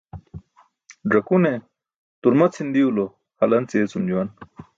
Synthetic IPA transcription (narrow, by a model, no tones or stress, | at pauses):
ɖɐkune | t̪uɾmɐt͡sʰind̪iulo | hɐlɐnt͡set͡sumd͡ʑuwɐn